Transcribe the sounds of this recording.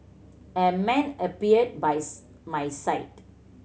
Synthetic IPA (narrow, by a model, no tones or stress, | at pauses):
əmɛ̃nəpiəd̚baj | majsaɪt